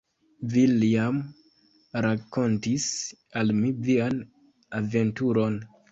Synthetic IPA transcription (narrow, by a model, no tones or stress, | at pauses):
vilam | ɾako̞ntis | almivian | ave̞ntuɾo̞n